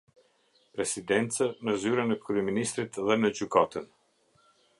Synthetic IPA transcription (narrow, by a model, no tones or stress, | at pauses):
pɾɛsid̪ɛnt͡sənəzyɾənɛkɾyɛminist̪ɾit̪ðɛnəd͡ʑykat̪ən